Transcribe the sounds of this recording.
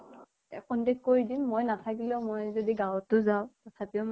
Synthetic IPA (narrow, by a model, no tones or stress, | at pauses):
ɛ̰kɔntɛkːoɹidimːojnatʰakilɛʊmojzodiɡãwtːʊzaʊtɔtʰapiʊm